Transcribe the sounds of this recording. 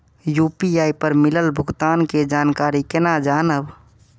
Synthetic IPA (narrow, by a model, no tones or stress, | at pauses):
jupiaːipəɾmɪləlbʱʊɡt̪aːnked͡ʒaːnkaːɾikenad͡ʒaːnəb